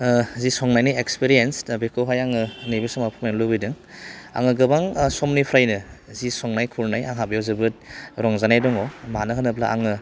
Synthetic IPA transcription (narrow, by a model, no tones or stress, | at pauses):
zisɔŋnajnijekspiɾiensbekʰowɦajaŋɯnibisamapʰumajnlubɯjdɯŋ | a̰ŋɯɡɯbaŋsɔmnipʰɾajnɯzisɔŋnajkʰulnaja̰ŋɦabjawzɯbɯt̚ɾɔŋzanajdɔŋɔmanɯɦanɯpʰla̰ʔa̰ŋɯ